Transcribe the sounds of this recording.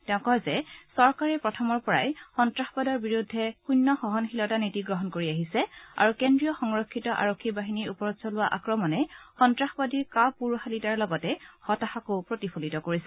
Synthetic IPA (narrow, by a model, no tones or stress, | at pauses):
tɛʊ̃kɔzɛsɔɹkaɹɛpɹɔtʰɔmɔɹpɔɹa̰jxɔntɹaxbɔdɔɹbiɹudʱːɛkujnːɔxɔɦɔnxilɔtanitiɡɹɔɦɔnkoɹiaɦisɛa̰ɹukendɹijɔxɔŋɹɔkʰːitɔʔa̰ɹokʰːibaɦiniupɔɹɔsɔlʊwaʔa̰kɹɔmɔnɛxɔntɹaxbɔdiɹkapuɹuxalitaɹlɔɡɔtɛhɔtaxakopɹotipʰolitɔkoɹisɛ